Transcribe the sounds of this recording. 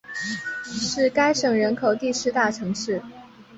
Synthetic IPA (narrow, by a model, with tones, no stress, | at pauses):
ʂɻ̩˥˩ka˥ɪʂɤ˨˩ŋɻə˧˥nkʰo˨˩ʊt̪i˥˩ʂɻ̩˧˥t̪a˥˩ʈ͡ʂʰɤ˧˥ŋʂɻ̩˥˩